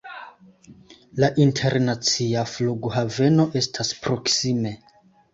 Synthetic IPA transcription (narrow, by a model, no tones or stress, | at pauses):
laʔintʰe̞ɾnat͡siafluɡohave̞no̞ʔe̞stʰaspɾo̞ksime̞